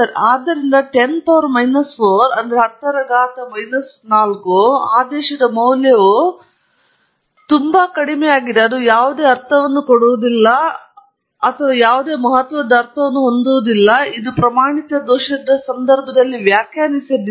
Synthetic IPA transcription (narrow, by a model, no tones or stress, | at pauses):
ɐɾaːd̪ːɐɾind̪ɐʈe̞np̪aːɾmɐjnɐsfoːɾɐnd̪ɐɾeɦɐt̪ːɐɾɐɡaːt̪ɐmɐjnɐsnaːlkuaːd̪ɛːʃɐd̪ɐmɐwljɐʋu | t̪umbɐkɐɽimɛjaːɡid̪eɐd̪ujaːʋud̪e̞ːɐɾt̪ʰɐʋɐnːukoɽuʋud̪ilːɐ | ɐt̪ʰɐʋɐjaːʋud̪e̞ːmɐɦɐt̪ʋɐd̪ːɐːɾt̪ʰɐʋɐnːuɦond̪uʋud̪ilːɐid̪upɾɐmaːɳit̪ɐd̪ɔːʃɐd̪ɐsɐnd̪ɐɾbʱɐd̪ɐlːiʋjaːkjaːnisɐd̪i